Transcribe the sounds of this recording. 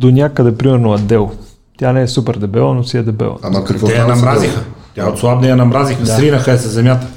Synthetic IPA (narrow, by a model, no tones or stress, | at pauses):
d̪onʲakəd̪ɛpɾimɛɾnoɐd̪ːɛlˠ | t̪ʲjanɛɛsupɛɾd̪ɛbɛlˠənosiɛd̪ɛbɛ̰lˠə̰aɐkɐkvɔɛjɐnɐmɾazixət̪ʲaot̪slˠab̚nɛjɐnɐmɾazixədsaɾinəxəɛsɛzɛmʲjat̪ə̥